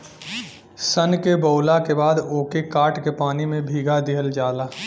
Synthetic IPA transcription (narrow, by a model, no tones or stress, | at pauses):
sənkebəːlakebaːd̪oːkekaːʈkepaːnimẽbʱiːɡad̪iɦəld͡ʒaːlaː